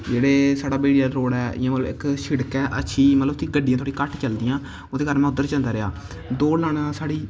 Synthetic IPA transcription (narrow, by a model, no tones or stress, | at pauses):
d͡ʒeːɽeːsaːɽaːbeːɽijaːɾoːɽɛːɪ̰jãːmət̪ləbɪkʃɪɽkɛːʔə̰tːʃʰiːmət̪ləbt̪iɡəɖijãːt̪ʰoːɽikəʈt͡ʃəld̪ijãː | oːd̪eːkəɾmɛ̃ːʊd̪əɾt͡ʃãnd̪aːɾɪaː | d̪oːlaːɳasaːɽiː